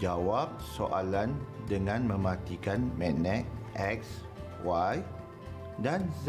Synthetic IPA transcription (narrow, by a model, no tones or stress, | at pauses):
d͡ʒawap̚soʔalandəŋãnmə̃mãt̪ikanmɛ̃nɛ̃ʔʔɛk̚s | waj | danz